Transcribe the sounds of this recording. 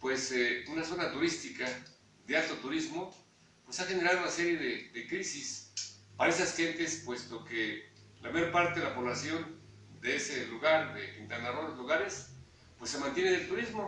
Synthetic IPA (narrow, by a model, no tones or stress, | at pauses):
pweseunaso̞nat̪uɾist̪ika | ðealt̪o̞t̪uɾizmo̞ | pwesaxene̞ɾaðunase̞ɾjeðeðekɾisispaɾaesasxe̞nt̪e̞spwe̞st̪o̞ke | lamajoɾpaɾt̪eðelapo̞βlasjo̞n | d̪eeseluɣaɾd̪epint̪anaðoɾlozluɣaɾes | pwesːe̞mant̪jeneðelt̪uɾizmo̞